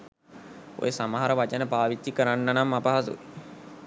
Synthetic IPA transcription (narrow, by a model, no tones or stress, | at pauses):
o̰jəsaməɦaɾəʋat͡ʃənəpaːʋit̪ːikəɾanːanamːapɐɦasṵi